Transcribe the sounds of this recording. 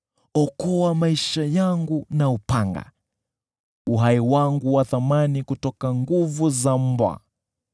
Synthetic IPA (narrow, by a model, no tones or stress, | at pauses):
ɔkɔwamaiʃajaŋɡunaupaŋɡa̰ | uɦaiwaŋɡuwaθamanikutɔkaŋɡuvuzam̩bwa̰